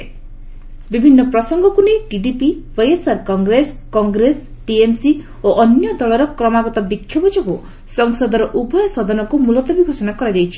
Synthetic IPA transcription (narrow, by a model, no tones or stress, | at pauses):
bibʱinːɔpɾɔsɔŋɡɔkunejʈiɖipiwejesaɾkɔŋɡɾeskɔŋɡɾes | ʈiemsi | oʔɔnjɔd̪ɔɭɔɾɔkɾɔmaɡɔt̪ɔbikʰjɔbɔd͡ʒɔku | sɔŋsɔd̪ɔɾɔʔubʱɔjɔsɔd̪ʱɔnɔkumulɔt̪ɔbiɡʱosɔnakɔɾad͡ʒajt͡ʃʰi̥